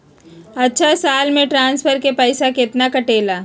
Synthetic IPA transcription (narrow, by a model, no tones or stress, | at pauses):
ɐtːʃʰasaːlmẽʈɾãːnsfʰəɾkepɛɪsakɪt̪nakɐʈeːlaː